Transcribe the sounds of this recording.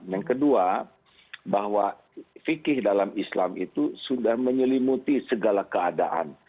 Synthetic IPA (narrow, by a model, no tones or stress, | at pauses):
jaŋkədua | baɦwa | fikɪhdalamisla̰mḭt̪usudahməɲəlimut̪isəɡalakəadaʔa̰n